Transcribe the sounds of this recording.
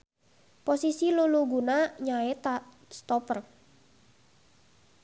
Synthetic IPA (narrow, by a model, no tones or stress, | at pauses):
posisiluluɡunaɲaet̪ | st̪ɔpər